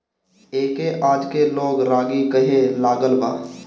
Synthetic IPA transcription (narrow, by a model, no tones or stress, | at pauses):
eːkeʔaːd͡ʒkeloːɡɾaːɡikəɦelaːɡəlba̰ː